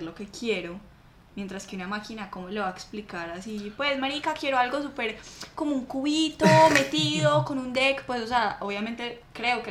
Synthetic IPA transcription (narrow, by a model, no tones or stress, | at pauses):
ɾlo̞ke̞kʰje̞ɾo | mje̞nt̪ɾaske̞unamakinako̞mole̞βaeksplikaɾasipwe̞smaɾikakje̞ɾo̞alɡo̞s̬upe̞ɾko̞mo̞uŋkuβit̪ome̞t̪iðoko̞nund̪ekpwe̞sos̬eaʔoβjamẽ̞nt̪e̞kɾe̞oke